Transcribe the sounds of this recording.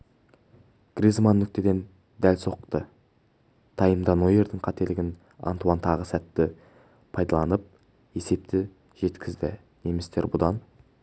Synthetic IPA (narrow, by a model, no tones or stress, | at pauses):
ɡ̥rizmanːʏk̚t̪e̞d̪e̞n | d̪ælso̞qt̪ə | t̪ʰɑjəmd̪ɑnoje̞ɾd̪ɪŋqʰɑt̪e̞lɪɡʲɪn | ɑ̰nt̪uɑnt̪ʰɑʁəsæt̪ːɪ | pʰɑjd̪ɑlˠɑnəp̚ | e̞se̞p̚t̪ɪ | ʒ̥e̞t̪kʲɪzd̪ɪ̰ | ne̞mest̪e̞ɾbʊd̪ɑn